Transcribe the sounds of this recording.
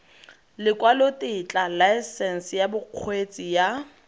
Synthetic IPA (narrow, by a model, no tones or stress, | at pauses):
lɪkʼwalotʼɪt͡ɬʼalaɛsɛn̩sjabʊq͡χʰwet͡sʼija